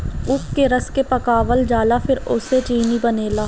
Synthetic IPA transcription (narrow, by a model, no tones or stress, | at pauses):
ʊpkeɾəskepɐkaːʋəld͡ʒaːlapʰɪɾʊset͡ʃiːnibəneːlaː